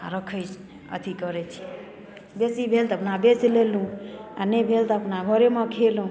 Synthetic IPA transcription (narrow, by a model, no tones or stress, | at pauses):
a̰ɾəkʰəjt͡ʃ | ə̰t̪ʰikəɾet͡ʃʰi | besibʱelt̪əpnabeslelũa̰nebʱelt̪əpnabʱəɾemãkʰelũ